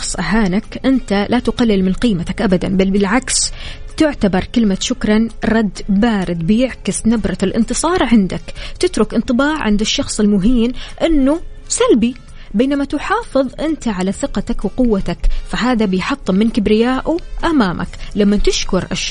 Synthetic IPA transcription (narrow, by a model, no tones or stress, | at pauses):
sˤʔaɦaːnakʔɪnt̪alʔat̪ʊqalːɪlmɪnqiːmat̪akʔabad̪a̰nbalbɪlʕakst̪ɪʕt̪abɑɾˤkɪlmaʃʊkɾˤɑnɾˤɑd̪ːbaːɾɪd̪bɪjɪʕkɪsnabɾˤɑlʔɪ̰nt̪ɨsˤɑːɾˤʕɪnd̪akt̪ɪt̪ɾʊkʔɪnt̪ˤɨbɑːʕʕɪnd̪ɪʃːɑxsˤɪlmʊɦiːnʔɪnːusalbi | beːnamat̪ʊħɑːfɨðˤʔɪnt̪aʕalaθɪqɑt̪akwqʊwːat̪akfaɦaːðabɪjħɑt̪ˤːɨmɪnkɪbɾɪjaːʔuʔamaːmʔa̰klamːat̪ɪʃkʊɾʔa̰ʃ